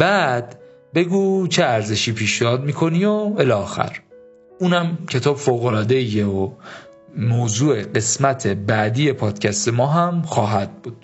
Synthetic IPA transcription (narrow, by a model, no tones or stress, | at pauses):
bæːd̪̥ | be̞ɡuːt͡ʃʰeæɾze̞ʃiːpʰiːʃneɒːd̪miːkʰo̞nioelɒːxæ̰ɾ | uːnæmcʰe̞t̪ʰɒːbfoːɣolɒːd̪eijeo | moːzuːe̞ɢe̞smæt̪ʰe̞bæd̪iːje̞pʰɒːd̪̥cʰæst̪e̞mɒːɦæmxɒːɦæd̪̥̚buːd̪̥